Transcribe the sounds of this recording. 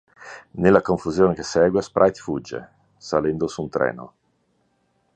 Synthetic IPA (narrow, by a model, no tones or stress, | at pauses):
nelːakoɱfuzjoːnekesɛːɡwespɾʔajt̪fud͡ʒːḛ | salɛnd̪osunt̪ɾɛ̰ːno̰